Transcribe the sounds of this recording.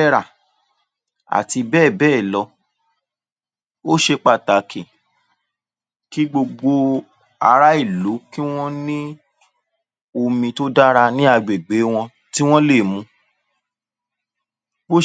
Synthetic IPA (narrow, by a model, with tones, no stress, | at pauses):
ɛ˦ɾa˦˨ | a̰˨ti˧bɛː˦˨bɛː˦˨lɔ˧ | o˦ʃe˧k͡pa˨ta˨kʰĩ˨ | ki˦ɡ͡bo˧ɡ͡bo˧ | a˧ɾa˦i˦˨lu˨˦ki˦w̃ɔ̃˦nĩ˦ | o˧mĩ˧to˦da˦ɾa˧nĩ˦a˧ɡ͡be˨ɡ͡be˨˦w̃ɔ̃˧ | ti˦w̃ɔ̃˦le˦˨mũ˧˦ | bo˦